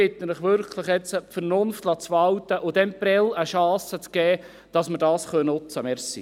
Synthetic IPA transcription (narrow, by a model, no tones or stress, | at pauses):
ɪt̪əlɪχʋʏɾkʰləχjɛt͡səpfərnʊnftlɑːt͡sʋɑwt̪əʔʊd̥̪ɛmprɛləʃɑːsət͡skɛː | d̥ɑsməɾdɑːsχønnʊt͡səmɛɾsḭ